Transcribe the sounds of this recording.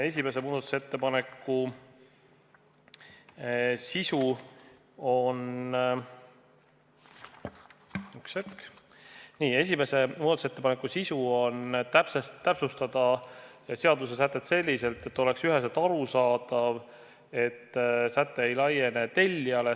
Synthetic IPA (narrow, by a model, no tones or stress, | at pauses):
e̞s̬ʲime̞se̞muːd̪ɑt̪ːu̥set̪ːe̞pɑne̞kːu | sisu | o̞n | yksek | niːe̞s̬ʲime̞se̞muːd̪ɑt̪uset̪ːepɑnekːˑusisuo̞nt̪æpsesːæpsust̪ɑd̪ɑ | se̞ɑd̪use̞s̬æt̪ːˑe̞t̪se̞lʲːise̞lt̪e̞t̪ːo̞le̞ksyɦes̬et̪ɑɾusɑːd̪̥ɑv | e̞t̪ːsæt̪ːˑe̞ejlɑje̞ne̞t̪e̞lʲːiɑle̞